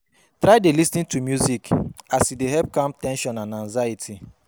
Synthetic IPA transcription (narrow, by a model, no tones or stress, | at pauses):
tɾaɪdelisnĩntumjuzikasideɦɛp̚kãmtɛ̃nʃɔ̃nãnãnzajitʰi